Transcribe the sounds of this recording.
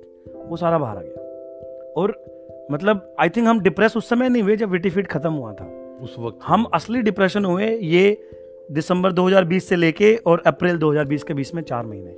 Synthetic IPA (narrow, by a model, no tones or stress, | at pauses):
ʋosaːɾabʱa̰ːɾa̰ːɡa | ɔːɾ | mɐt̪ləbaːɪt̪ʰɪ̃ŋkɦɐmɖɪpɾɛːsʊsːɐməjnɐɦĩʋed͡ʒɐbʋɪʈifiːʈkʰɐt̪əmɦua̰t̪ʰa̰ː | ʊhɐmɐsliɖɪpɾɛːʃənɦuẽjeː | ɖɪsə̃mbəɾd̪oːɦɐzaːɾbiːsːeleːkeɔːɾɛpɾɪld̪oːɦɐzaːɾbiːskebiːsmẽt͡ʃa̰ːɾmɐɦḭnḛ̃